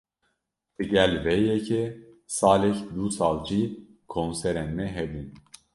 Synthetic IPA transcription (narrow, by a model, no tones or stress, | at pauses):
d̪̥ɨɟɛlvɛjɛcʰɛ | sɑːlɛçd̪usɑːld͡ʒi | kʰonsɛɾɛnmɛɦɛbun